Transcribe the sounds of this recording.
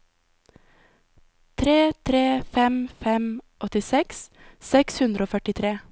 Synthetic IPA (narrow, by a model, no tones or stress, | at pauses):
t̪ʰɾeːt̪ʰɾeːfɛmfɛmʔɔt̪ɪsɛkssɛkshʉnd̪ɾʔoːfœʈɪt̪ʰɾeː